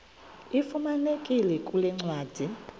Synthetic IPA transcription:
ifumanekʼilɛkʼulɛŋ͡ǀwaːd̥ʱi

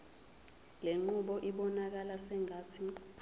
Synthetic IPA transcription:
leŋ͡ǃuɓɔʔiɓɔnak̬alasɛŋatʰi

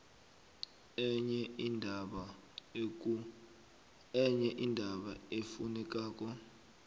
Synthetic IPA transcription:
ɲɛndʱɓ | ɛɲɛʔindʱaɓaefunɛk̬ʼaːk̬ʼɔ

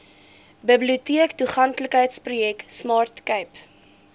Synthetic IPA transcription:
bəbliutiəktuχɐntləkɦəjtsprujɛksmɑːrtkəjp

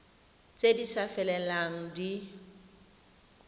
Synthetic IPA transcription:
t͡sʼedisafɛlɛlaŋ̩di

